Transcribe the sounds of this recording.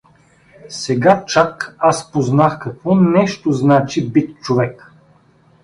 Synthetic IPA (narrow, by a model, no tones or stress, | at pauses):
sɛɡat͡ʃakaspoznaxkɐkvɔnɛʃt̪oznat͡ʃibit̪t͡ʃovɛk